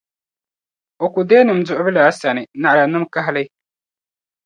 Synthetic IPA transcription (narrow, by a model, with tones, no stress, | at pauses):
ɔ˨kʊ˨deː˦nɪ˨m˨zʊ˨ʔʊ˦bɪ˦la˨a˦sa˨nɪ˨na˨ʔa˨a˨nɨ˦m˦ka˦ɦa˦lɛ˦